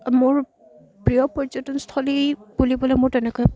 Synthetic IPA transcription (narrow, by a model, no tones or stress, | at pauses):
mʊɹ | pɹijɔpɔjzɔtʊnstʰɔlipulibɔlɛmʊɹtɛnɛkɔj